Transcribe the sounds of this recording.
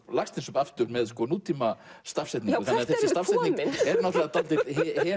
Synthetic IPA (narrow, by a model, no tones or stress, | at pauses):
lakst̪ɪnsʏpaft̪ʏɾmɛðskɔnut̪imast̪afsɛt̪nikʏθθanːθɛsɪst̪afsɛt̪iɛɾnat̪lat̪alt̪iðhhɛ